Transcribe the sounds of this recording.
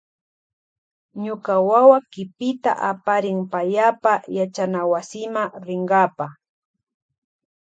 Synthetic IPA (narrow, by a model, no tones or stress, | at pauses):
ɲʊkawawakɪpɪt̪a̰ʔapaɾɪŋpaʎapajat͡ʃanawasɪmaɾɪɴɢɑpa